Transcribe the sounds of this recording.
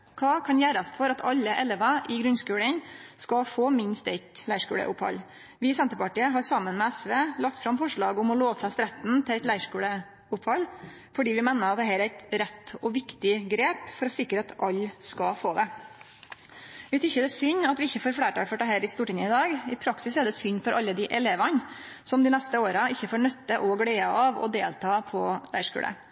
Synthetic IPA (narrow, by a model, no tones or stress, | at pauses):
kʰɑːkʰɑnjæːɾɑsfɔɾɑt̪ʰɑlːəʔɛlɛʋɑʔɪɡɾʉnskʉːlənskɑfoːmɪnst̪ɛɪt̪læɪʂkʉ̰ːɽə̰ʔʊ̰phɑ̰lː | ʋɪɪsɛnt̪əpɑʈiːəɦɑɾsɑmːənmɛæsʋeːlɑkt̪fɾɑmfɔʂɭɑːɡʊmɔloːʋəfɾɑst̪ɾɛt̪n̩t̪ʰɪæɪt̪læɪʂkʉːɽə | ʊphɑl | fɔɖiːʋɪmeːnəɾɑt̪̚d̪ɛɦæːɾæɪt̪ɾɛt̪ːɔʋɪkt̪ɪɡɾeːpfɔɾɔsɪkːɾəɑt̪ʔɑlːskɑfoːd̪ɛ | ʋɪt̪ʰɪçːəd̪ɛsʏɲːɑt̪ʋɪɪçːəfoːɾfɽeːʈɑːføːʈːəɦæːɾɪst̪uːʈɪŋəɪd̪ɑːɡɪpʰɾɑksɪsæɖ̪ɛsʏɲːfɔɾʔɑlːəd̪ɪʔɛleːʋɑn | sɔmd̪ɪnɛst̪əoːɾəɪçːəfoːɳœt̪ːəʔɔɡɽeːəɑʋɔ̰d̪eːlt̪ʰɑːpʰɔlæ̰ɪʂkʉ̰ːlʔə̰